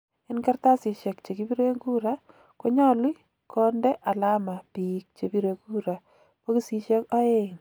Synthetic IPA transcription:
e˦nkɛ˦rta˦si˨ʃe˨k̚t͡ʃe˨ki˦bi˦ɾe˦ŋɡu˦ɾa˦ | ko˦ɲɔ˦li˦ | kʰɔ˦ndɛ˦ʔa˨la˦ma˨pik̚t͡ʃe˨bi˦ɾe˨ku˦ɾa˨ | po˦ki˦si˦ʃe˦ka˦e˦in

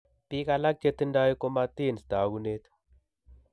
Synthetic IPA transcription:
pi˦ka˧la˦k̚t͡ʃe˦t̪ɨ˦nda˦wi˦ko˦ma˦t̪i˦˨nst̪a˨ɡu˦ne˦t̪

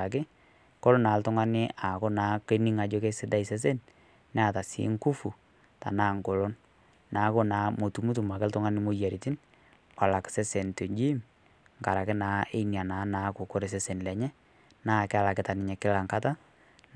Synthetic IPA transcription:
a˨k̬ɪ˦ | kɔ˦lo˦naː˨˦ltʊ˦ŋa˦nɪ˦a˨ko˦naː˨˦ke˦ni˦ŋa˨d͡ʒo˦ke˦sɪ˦da˦i˨sɛ˦s̬e˦n | nɛ˦a˨ta˨sḭ˦ŋku˦fu˨ | ta̰˨naː˦ŋko˨lo˦n | naː˨˦ko˦naː˨˦mo˨tu˨mu˦tu˨ma˨kɪ˦ltʊ˦ŋa˦nɪ˦mo˨ja˨ɾi˨ti˦n | wa˨la˨ksɛ˦se˨nto˨d͡ʒi˦m | ŋka˨ɾa˨kɪ˦naː˨˦e˦nja˨naː˨˦naː˨kʊ˨ko˦ɾe˨s̬ɛ˦se˨nlɛ˨ɲɛ˦ | naː˦˨kɛ˦a˨la˨kɪ˦ta˨nɪ˨ɲɛ˨kɪ˦la˨ŋka˦ta˦

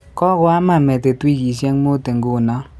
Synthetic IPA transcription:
kɔ˦kwa˦ma˨me˨te˨twi˦d͡ʒi˨s̬je˦ŋ˦mo˦te˨ŋ˨ɡu˦˨na˦

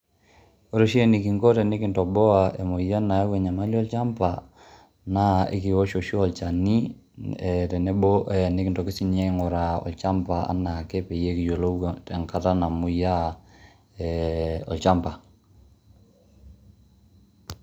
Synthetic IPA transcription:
o˦ɾo˦ʃi˦e˦ni˨ki˨ŋɡo˦tɛ˨ne˦ki˨ntɔ˨bɔ˦a˨e˨mo˨ja˦na˨a˦wɛ˨ɲa˨ma˦li˦ɔ˦lt͡ʃa˦mpa˨ | na˦ḛ˦ki˨wo˦ʃo˨ʃɔ˨lt͡ʃa˨ni˦˨ | tɛ˨nɛ˦bo˦ʔɛ˨ne˦ki˨ntɔ˨ki˦si˦nɛ˦ŋɔ˨ɾa˨ɔ̰˨lt͡ʃa˦mpa˨a̰˨˦na˨kɛ˦pe˨je˦ki˨jo˨lo˦tɛ˨ŋka˦ta˦na˨mu˨ja˦ | ɛ˨ɔ̰˨lt͡ʃa˦mpa˨

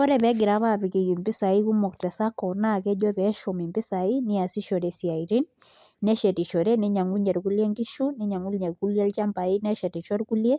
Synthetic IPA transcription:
ɔ˦ɾɛ˨βɛ˦ɡɪ˨ɾa˦βa˦pi˨ki˨ki˨mbi˦sa˨i˦ku˦mɔ˨ktɛ˨sa˦kɔ˨na˦˨kɛ˦ʄɔ˦pɛ˨˦ʃɔ˨mi˨mbi˦sa˨i˦ni˦a˨si˦ʃɔ˨ɾɛ˨si˨a˨i˨ɾi˦n | nɛ˦ʃɛ˨ti˨ʃɔ˨ɾɛ˦ni˦ɲa˨ŋɡu˦ɲɛ˨ɾku˦li˦ɛ˦ŋɡi˦ʃu˦ni˦ɲa˨ŋɡu˦lɲɛ˨ɾku˦ljɛ˦lt͡ʃa˦mba˨i˦nɛ˦ʃɛ˨ti˨t͡ʃɔ˦ɾku˦ljɛ˦

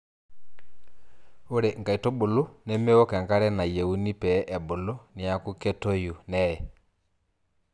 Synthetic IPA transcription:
o˦ɾɛ˨ŋ˨ɡa˨i˨tɔ˦bo˨lo˦nɛ˦me˦ɔ˦kɛ˨ŋɡa˦ɾɛ˦na˨je˨u˦ni˦pɛ˨˦ʔɛ˨bo˨lo˦nɪ˨a˦ku˦kɛ˦tɔ˦ju˨nɛ˦ɛ˨

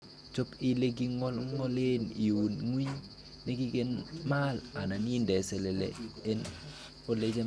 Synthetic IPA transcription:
t͡ʃo˦pi˦le˦ɡi˦ŋɔ˦lŋɔ˦le˦ni˨wu˨nŋwi˦ɲ | ne˦ɡi˦ɡe˦nma˦˨la˨na˨ni˦ndɛ˨sɛ˨le˨lḛ˨e˦n | o˨le˦d͡ʒe˦

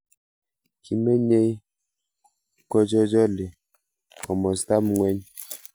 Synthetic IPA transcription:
ki˨me˦ɲe˦j | kɔ˦d͡ʒɔ˦d͡ʒɔ˦le˨ | kɔ˨mɔ˨sta˦mŋwɛ˦ɲ

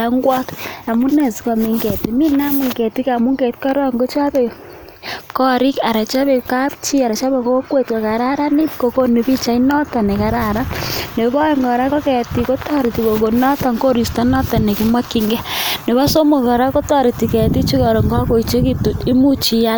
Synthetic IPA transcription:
a˦ŋɡwa˦ta˨mu˦ne˨si̥˦kɔ˨mi˨ŋɡɛ˨ti˨mi˦na˦mu˨ŋɡɛ˨ti˦ka˨mu˦ŋɡe˨tkɔ˦ɾɔ˦ŋɡo˦t͡ʃa˦pɛ˨ | kɔ˦ɾi˦ka˨ɾa˨t͡ʃa˦pe˨ka˦pt͡ʃi˦a˨ɾa˨t͡ʃa˦pe˨ko˦kwe˦tkɔ˨ka˨ɾa˦ɾa˦ni˦pko˨ko˦ni˨pi˦t͡ʃa˦inɔ˦ta˨nɛ˨ka˨ɾa˦˨ɾa˦ne˨kɔ˦ŋɡɔ˨ɾa˦ko˦kɛ˨ti˨ko˦tɔ˦ɾi˨ti˨ko˨ko˨nɔ˦ta˨ŋko˦ɾi˨sta˦nɔ˦ta˨ne˨ki˦mwa˦ki˨ŋɡɛ˦ne˨βa˦so˦mo˨kɔ˨ɾa˦ko˦tɔ˦ɾi˨ti˨kɛ˨ti˦t͡ʃi˦kɔ˨ɾɔ˨ŋɡa˦ko˨i˨t͡ʃe˦ki˦tu˨ti˦mu˦t͡ʃi˦ja˦

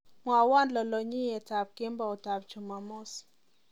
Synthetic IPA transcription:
mwa˨wa˦nlɔ˨lɔ˨ɲi˦jɛ˨ta˨p̚ke˦mba˨ɔ˨ta˨bt͡ʃʊ˨ma˨mɔ˦s

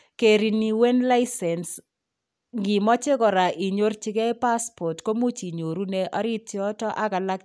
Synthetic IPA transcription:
ke˨ɾi˨ni˨we˦nla˦ɪ˦sɛ˨ns | ŋɡi˨mɔ˦t͡ʃɪ˦kɔ˨ɾa˨ʔi˨ɲo˦rt͡ʃɪ˦ɡɛ˦pa˦spɔ˨tko˦mu˦t͡ʃi˨ɲo˨ɾu˦ne˦ʔɔ˦ɾɪ˦tjɔ˦tɔ˦ʔa˦ka˨la˦k

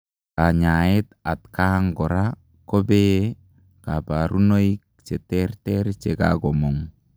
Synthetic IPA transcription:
ka˨ɲa˨e˦ta˨tka˦ŋɡɔ˨ɾa | ko˦be˦ | ka˨pa˨ɾʔu˦no˦i˦k̚ | t͡ʃe˨tɛ˦ɾtɛ˦ɾt͡ʃe˨ka̰ɡo˨mo˨ŋ

